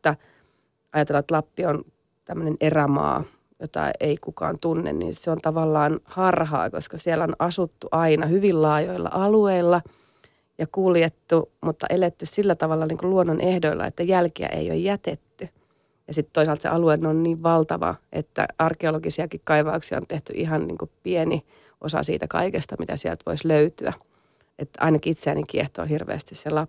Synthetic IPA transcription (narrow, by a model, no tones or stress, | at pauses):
æ | ɑjɑt̪elːɑet̪lɑpːion | t̪æmːønenʔeræmɑ̰ː | jot̪ɑ̰eikukɑ̰ːnt̪unːḛnnḭseont̪ɑʋɑlːɑːnhɑrhɑ̰ːkoskɑsielæonɑsut̪ːuʔɑinɑhyʋillɑːjoilːɑ̰ʔɑlueilːɑ | jɑkuljet̪ːumut̪ːɑ̰ʔelet̪ːyssilːæt̪ɑʋɑlːɑniːŋkuluonːonʔehdoilːɑ̰ḛt̪ːæjælkiæ̰ʔḛijo̰jjæt̪et̪ːy | jɑsit̪t̪ːoisɑlt̪sḛʔɑluenːonniːʋʋɑlt̪ɑʋɑ̰ʔḛt̪ːæ̰ɑrkeoloɡisiɑkikkɑiʋɑuksiɑ̰o̰nt̪eht̪yʔiɦɑnnḭːŋkupieni | ʔosɑ̰sḭːt̪ækɑ̰ikest̪ɑmit̪æsiɛ̰lt̪ʋoisløyt̪yæ̰ | et̪ːɑ̰inɑkiit̪seænikieht̪o̰ːhirʋḛːst̪isselɑ